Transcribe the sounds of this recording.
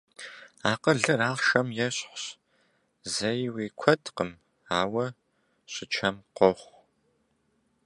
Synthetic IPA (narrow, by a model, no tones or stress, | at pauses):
aːqəɮɨraːχʃɐmjɛɕħʷɕ | zɐjweːkʷʰɐdqəm | aːwɐ | ɕʼɪt͡ʃʰɐmqʷɔχʷ